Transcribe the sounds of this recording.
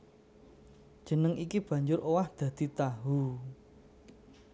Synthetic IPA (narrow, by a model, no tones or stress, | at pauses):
d̥ʒ̥ə̤nəŋʔikib̥ä̤ɲd͡ʒʊɾʔowahd̪̥ä̤d̪̥i̤t̪aɦu